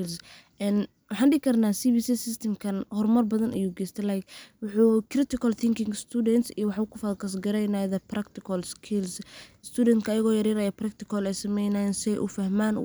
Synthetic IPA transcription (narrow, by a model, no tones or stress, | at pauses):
lsʔɛn | wɑħɑːnɖɪɡkʰɐrnaːsiːbiːsiːsɪst̪ʰɛmkʰɐnhɔrmɐrbɐðɐnʔɐ̰juːɡɛːst̪ʰɛlajkwʊħuːkrɪt̪ɪkʰɐlθʰɪŋkɪŋst̪ʰuːdɛnt̪siwɑħukʰʊfɐːðkʰɐs̬ɡɐɾɛjnajðɐprakt̪ɪkʰɔlskʰɪlsɪst̪ʰuːdɛnt̪kʰɐːjɐɣɔːjɐɾiːɾɐjɐprɐkt̪ɪkʰɔlɛjsɐmɛjnajɛnsɪɛjʔʊ̰fɐhmaːn